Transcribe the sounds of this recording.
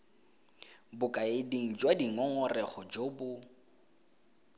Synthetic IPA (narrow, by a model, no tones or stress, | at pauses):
bʊkʼaediŋ̩d͡ʒwadiŋɔŋɔrɛχʊd͡ʒoːbʊ